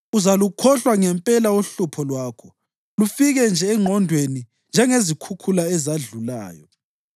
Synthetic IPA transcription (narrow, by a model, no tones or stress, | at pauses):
uzalukʰɔɬwaŋɛmpʼɛlauɬupʰɔlwaːkʰɔ | lufiɣɛnd͡ʒʱɛːŋ͡ǃʱɔndʱweni | nd͡ʒʱɛŋezikʰukʰulaɛzaɮula̰ːjɔ̰